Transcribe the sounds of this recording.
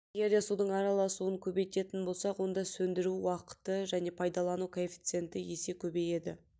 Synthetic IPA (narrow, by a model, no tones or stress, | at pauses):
eɡʲe̞ɾd̪e̞sud̪əɴɑɾɑlˠɑsuəŋkʲʰɵbe̞jt̪e̞t̪ɪnbo̞lˠsɑqwo̞nd̪ɑsɵnd̪ɪɾuwɑqə̥t̪əʒæne̞pʰɑjd̪ɑlˠɑnukʰoefʲi̥t̪sɨe̞nt̪ɪje̞se̞kʲʰɵbeje̞d̪ɪ̰